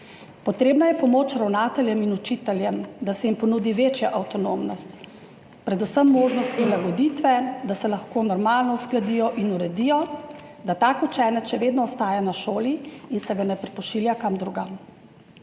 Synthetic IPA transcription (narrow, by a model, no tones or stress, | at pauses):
pɔt̪ɾeːbnajɛpɔmoːt͡ʃɾawnaːt̪ɛljɛminut͡ʃit̪ɛljɛmd̪asɛjimpɔnud̪iʋeːt͡ʃjaʔawt̪ɔnomnɔst̪ | pɾɛd̪usəmːoːʒnɔst̪̚pɾilaɡɔd̪it̪ʋɛd̪asɛlaxkoːnɔɾmaːlnɔusklad̪ijɔʔinuɾɛd̪ijɔ | d̪at̪aːkut͡ʃɛːnɛkʃɛʋeːd̪nɔːst̪aːjanaʃoːliinsɛɡanɛpɾipɔʃiljakamd̪ɾuɡam